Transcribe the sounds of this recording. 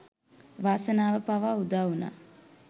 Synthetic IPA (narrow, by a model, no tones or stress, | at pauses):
ʋaːsənaːʋəpaʋaːud̪auna̰ː